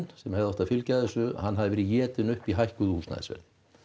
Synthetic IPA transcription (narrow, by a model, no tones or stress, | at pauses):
nsɛmhɛvɔht̪afɪlcaðɛsʏhanːɦaðɪvɛːɾɪjɛːt̪ɪnʏhpiɦajhkʏðʏhuːsna̰ːðɪ̰svɛ̰ɾn